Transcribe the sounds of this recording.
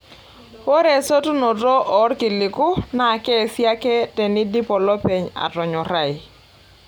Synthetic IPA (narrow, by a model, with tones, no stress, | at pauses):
wo˦ɾe˨so˦tu˦no˨to˦ʔɔ˨˦rkɪ˨lɪ˨kʊ˦na˨kɛ˦˨sja˦kɛ˦tɛ˨nɪ˦di˦pɔ˨lɔ˦pe˨ɲa̰˨tɔ˨ɲɔ˨ɾa˦˨j